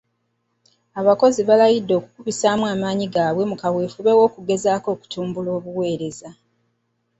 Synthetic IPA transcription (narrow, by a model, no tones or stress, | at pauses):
aβako̞ziβalajidːo̞kukuβisaːmwaːmaːɲiɡaːβwe̞mukawe̞ːfuβe̞wo̞ːkuɡe̞zaːko̞ːku̥tuːmbulo̞ːβuwe̞ːɾe̞za